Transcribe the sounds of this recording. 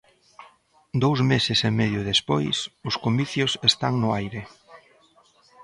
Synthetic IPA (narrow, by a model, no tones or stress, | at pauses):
d̪owzmesɪsemɛðjʊðespojsʊskomiθjʊsest̪aŋnʊajɾɪ